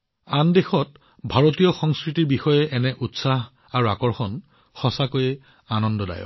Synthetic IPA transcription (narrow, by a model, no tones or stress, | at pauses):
andexɔt̚ | bʱaɹotijɔxɔŋskɹitiɹbixɔjɛʔɛnɛʔutsaɦ | aɹuakɔɹxɔn | xɔsakojɛ | anɔndɔda̰jɔ̰